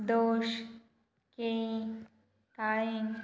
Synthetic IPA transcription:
d̪oːʃ | ke | kaːɭẽŋ

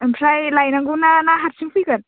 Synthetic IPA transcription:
mpʰɾajlajnaŋɡɯnanaɦatsɯŋpɯjkɯn

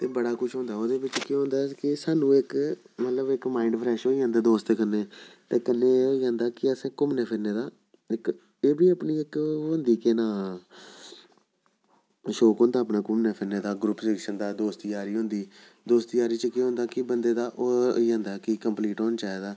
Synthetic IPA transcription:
t̪eːbəɽaːkʊʃʰɦõːnd̪aːoːd̪eːbɪt͡ʃkeːɦõnd̪aːkɪsaːnũːɪk | mət̪ləbɪkmaːɪɳɖpʰɾɛːʃɦoːiːãːnd̪aːd̪oːst̪ːkənːeːt̪eːkənːeːoːiːãːnd̪aːkɪəsẽːkʊmneːpʰɪɾneːd̪aː | ɪk | eːbiːəpniːɪkʋə̃nd̪iːkeːnaː | ʃoːkɦõːnd̪aːpnãːkʊmneːpʰɪɾneːd̪aːɡɾʊpːsɪkʃənd̪aːd̪oːst̪ijaːɾiːɦʊ̃ːnd̪iː | d̪oːst̪ijaːɾiːt͡ʃəkeːɦõnd̪aːkɪbənd̪eːd̪aːʔoːiːãːnd̪aːkɪkəmpliːʈɦoːnːt͡ʃaːeːd̪aː

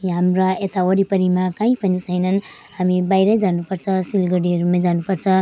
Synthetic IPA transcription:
ɦamraet̪aoɾipʌɾimakãĩpʌnit͡sʰʌjnʌn | ɦamibajɾʌjd͡zanupʌrt͡sʰʌsilɡʌɽiʌɾumad͡zanupʌrt͡sʰʌ

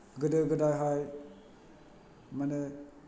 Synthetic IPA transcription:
ɡɯdɯɡɯdajɦaj | mane

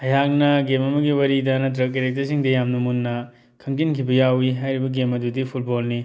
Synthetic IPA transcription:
ɐjak̚nɐɡemɐmɐɡiwɐɾidɐnɐt̬ɾɐkːeɾek̚tɐsiŋdɐjamnɐmunːɐ | kʰɐŋtinkʰibɐjawiɦajɾibɐɡemɐdudipʰut̚bolni

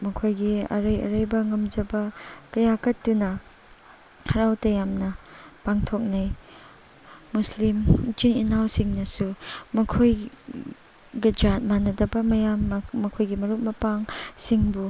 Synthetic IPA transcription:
mɐkʰojɡiɐ̰ɾɐjɐ̰ɾɐjbɐŋɐmd͡ʒɐbɐkɐjakɐtːunɐ | hʰɐɾawtɐjamnɐpaŋtʰok̚nɐj | muslimt͡ʃininawsiŋnɐsumɐkʰoj | ɡɐd͡ʒat̚manɐdɐbɐmɐjamːɐkʰojɡimɐɾuk̚mɐpaŋsiŋbu

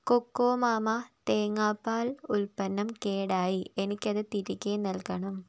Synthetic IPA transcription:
kokːoːmaːmaːt̪eːŋaːpːaːlʊlpɐnːɐmkeːɽaːjienikʲːɐðɐt̪iɾikʲːeːnɐlkɐɳɐm

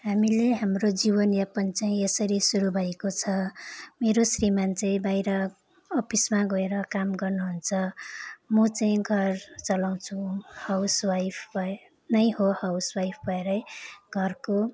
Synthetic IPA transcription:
ɦamileɦamrod͡ziβʌnjapʌnt͡saĩesʌɾisuɾubʱʌekot͡sʰʌmeɾosrimant͡sebajɾʌː | pismaɡʌeɾʌkamɡʌrnuɦunt͡sʰʌmʌt͡saĩɡʱʌrt͡sʌlaw̃t͡sʰũhawswajpʰbʱʌ | nʌjɦohawswajpʰbʱʌeɾʌjɡʱʌrko

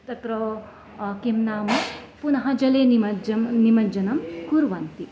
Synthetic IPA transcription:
t̪ɐt̪ɾɐ | kimnaːmɐpunɐɦɐd͡ʒɐleːnimɐd͡ʒnimɐd͡ʒɐnɐmkuɾʋɐnt̪i

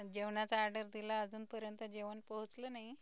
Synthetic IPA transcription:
d͡ʑeʋɳat͡saːɾɖəɾd̪ilaːd͡zuːnpəɾjənt̪əd͡ʑeʋənpəɦut͡slonaɦi

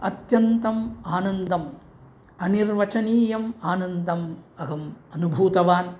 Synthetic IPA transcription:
ɐt̪jɐnt̪ɐmaːnɐnd̪ɐm | ɐniɾʋɐt͡ʃɐniːjɐmaːnɐnd̪ʱɐmɐɦɐmɐnubʱuːt̪ɐʋaːn

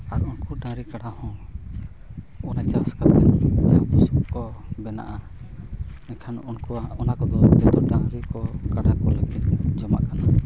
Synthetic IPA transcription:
aɾunkɔɖãɾikaɽahɔ̃ | ɔnad͡ʒaskat̪ɛnd͡ʒɛapɔsbukɔbɛna̰ʔa | ɛkʰanunkɔaɔnakɔd̪ɔbɛt̪ɔɖãŋɾikɔkaɽakɔleɡit̪̚d͡ʒɔma̰ʔkana

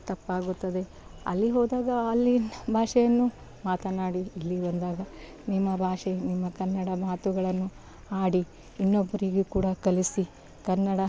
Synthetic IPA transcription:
t̪ɐpːaːɡut̪ːɐd̪e̞ | ɐ̰lːiɦɔːd̪aːɡɐɐlːibʱaːʂɛjɐnːu | maːt̪ɐnaːɽiːlːibɐnd̪aːɡɐ | nimːɐbʱaːʂenimːɐkɐnːɐɽɐmaːt̪uɡɐɭɐnːu | aːɽi | inːobːɐɾiɡekuːɽɐkɐlisi | kɐnːɐɽɐ

